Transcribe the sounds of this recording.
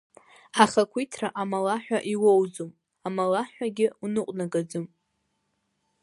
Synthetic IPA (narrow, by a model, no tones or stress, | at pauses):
aχakʷʰitʰraʔamalaħʷᶣaʔiwowd͡zom | amalaħʷᶣaɡʲɪunɨqʷʼnaɡad͡zɨm